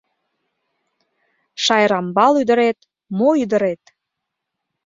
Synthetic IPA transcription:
ʃɑjɾɑmbɑlyd̪ə̆ɾet̪ | moyd̪əɾet̪

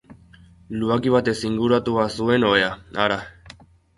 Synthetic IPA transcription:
luakiβat̪esiŋɡuɾat̪uβasue̞noeaaɾa

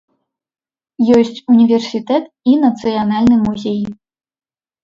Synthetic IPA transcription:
jɔsʲt͡sʲunʲivʲɛrsʲit̪ɛt̪ | inɐt̪sɨjanalʲnɨmuzʲej

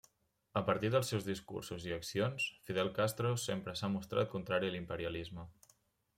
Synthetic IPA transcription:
əpəɾt̪iðəlˠsːɛwzðiskṵrsuziəksionsfiðɛlˠkast̪ɾosempɾəsamust̪ɾa̰t̪̚kunt̪ɾaɾiəlimpəɾiəlizmə

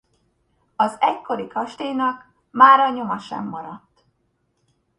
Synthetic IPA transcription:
ɒzɛckːo̞ɾikɒʃt̪ejnɒk | maːɾɒɲo̞mɒʃɛ̰mːɒɾɒt̪ː

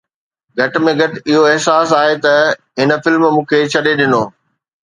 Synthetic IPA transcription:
ɡʱɐʈ̆mẽɡʱɐʈɪɦoɪɦsaːsaːɦet̪ɐ | ɦɪnəfɪlmmũːkʰet͡ɕʰɐɗeɗɪnoː

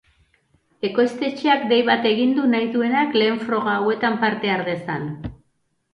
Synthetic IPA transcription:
e̞ko̞jst̪e̞t͡ʃeakd̪e̞jβat̪e̞ɣind̪unajðue̞nakle̞ːɱfɾo̞ɣ̞aːwe̞t̪ampaɾt̪e̞aɾðe̞sa̰n

